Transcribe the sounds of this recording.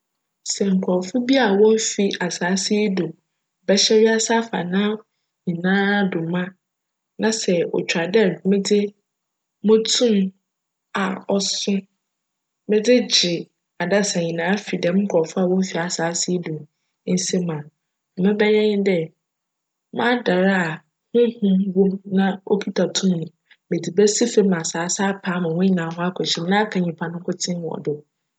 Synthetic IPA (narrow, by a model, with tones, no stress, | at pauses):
sɛ˨ŋ̩˨kʷʰɔ˨fʊ˦bi˦a˨wɔ̃˦fi˨ʔa˨saː˨˦sɪ˦do˨ | bɛ˦ɕɛ˦ɥi˦a˦sa˦fa̰˨nãː˦ | ɲĩ˨nãː˦dʊ˨mã˦ | nã˦sɛ˨ɔ̰˨t͡ɕᶣa˨dɛ˦˨mɪ̃˦dɪ˦ | mʊ̃˦tʰũ˦m | a˨ɔ˨sʊ̃˦ | mɪ̃˦dɪ˦d͡ʑɪ˨ | a˨da˦sã˨ɲĩ˨nãː˨˦fi˨dɛ̃˨m̩˦kʰɔ˨fʊ˦a˨wɔ̃˦fi˨a˨saː˨˦sɪ˦e˦du˨˦ | n̩˦se˦mã˨ | mɪ̃˦bɛ˦jɛ˦ɲɪ̃˦dɛ˦ | mã˦da˨ɾa˦a˨ | hʊ̃˦hʊ̃˦mwo˦mnã˦o˦kʰi˦tʰa˨tʰũ˦mnʊ̃˨ | mɪ̃˨dɪ˨bɛ˦si˦fe˦mã˨saː˨˦sa˦pʰaː˦mã˨wʊ̃˦ɲi˨nã˨ɦʊ̃˦a˦kʰɔ˨t͡ɕʰɪ˦˨m˦nã˦kʰã˨ɲĩ˨pʰa˨nʊ̃˦kʰʊ˦tʰɪ̃˦n˨ɔ̰˨dɪ˨